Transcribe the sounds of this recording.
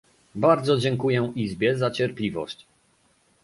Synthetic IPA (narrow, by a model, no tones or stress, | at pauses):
baɾd̪zɔd͡ʑɛŋkujɛizbʲjɛzat͡ɕɛɾplʲivɔ̰ɕt͡ɕ